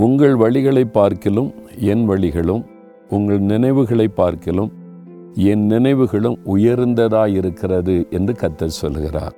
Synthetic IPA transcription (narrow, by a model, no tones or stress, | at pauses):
ʊŋɡɐɭʋɐɭɪɣɐɭɐɪpːaːɾkɪlɯmɛnʋɐɭɪɣɐɭɯm | ʊŋɡɐɭnɪnɐɪʋɯɣɐɭɐɪpːaːɾkɪlɯm | ɛnnɪnɐɪʋɯɣɐɭɯmʊjɐɾnd̪ɐðaːjɪɾɯkːɪrɐðɯʔɛndrɯkɐt̪ːɐsɔlːɯɣɪra̰ːɾ